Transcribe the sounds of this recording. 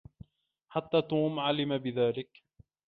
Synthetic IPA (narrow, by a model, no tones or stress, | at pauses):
ħat̪ːaːt̪uːmʕalɪmabɪðaːlɪk